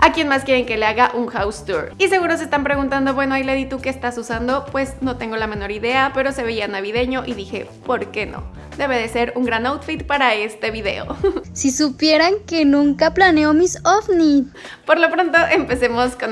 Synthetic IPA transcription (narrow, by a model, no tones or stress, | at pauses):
akje̞nmaskjeɾe̞ŋke̞leaɣaʔuŋxawst̪uɾise̞ɣ̞uɾo̞s̬est̪ampɾe̞ɣunt̪and̪o̞βwe̞no̞ajleðit̪uke̞ːst̪asusand̪o̞pwe̞sno̞t̪e̞ŋɡo̞lamẽ̞no̞ɾiðe̞ape̞ɾo̞se̞βe̞ianaβiðe̞ɲo̞ʔiðixe̞̰po̞ɾke̞no̞̰ | d̪e̞βe̞ðe̞se̞ɾuŋɡɾanawt̪fit̪paɾae̞st̪e̞βiðe̞̰o̞̰sisupje̞ɾaŋkenũŋkaplaneomisofni | po̞ɾlo̞pɾo̞nt̪o̞ʔe̞mpe̞se̞mo̞skon